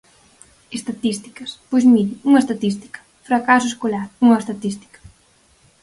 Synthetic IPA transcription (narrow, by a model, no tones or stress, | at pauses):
est̪at̪ist̪i̥kɐspojzmidiuŋɐest̪at̪ist̪i̥kɐ̥ | fɾakasueskolaɾuŋɐest̪at̪ist̪i̥kɐ̥